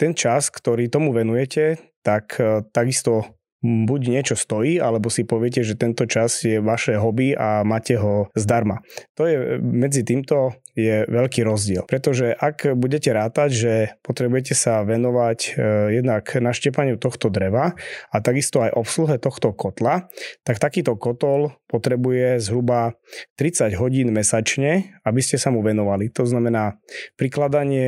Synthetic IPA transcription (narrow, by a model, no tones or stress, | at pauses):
t̪ɛnt͡ʃaskt̪ɔɾiːt̪ɔmuʋɛnujɛcʰɛt̪akt̪aɡist̪ɔ | buɟɲɪɛt͡ʃɔst̪ɔjiːʔalɛbɔsipɔʋɪɛc̬ɛʒɛt̪ɛnt̪ɔt͡ʃazjɛʋaʃɛɦɔbiamaːcɛɦɔzd̪aɾmat̪ɔjɛmɛd͡zit̪iːmt̪ɔ | jɛʋɛʎkiːɾɔzɟɪɛ̰lpɾɛt̪ɔʒɛʔakbuɟɛcɛɾaːt̪aɟʒɛpɔt̪ɾɛbujɛc̬ɛsaʋɛnɔʋacjɛd̪naknaʃcɛpaɲɪut̪ɔxt̪ɔd̪ɾɛʋaat̪aɡist̪ɔajʔɔpsluɦɛt̪ɔxt̪ɔkɔt̪lat̪akt̪akiːt̪ɔkɔt̪ɔlpɔt̪ɾɛbujɛzɦɾuba | t̪ɾit͡saɟɦɔɟiːnmɛsat͡ʃɲɛabiscɛsamuʋɛnɔʋalit̪ɔznamɛnaːpɾiklad̪aɲɪɛ